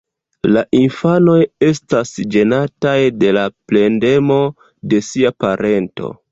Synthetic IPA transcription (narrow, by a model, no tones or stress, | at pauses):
laʔinfano̞je̞stasd͡ʒe̞natajde̞laple̞nde̞mo̞ | de̞siapaɾʔe̞nto̞̰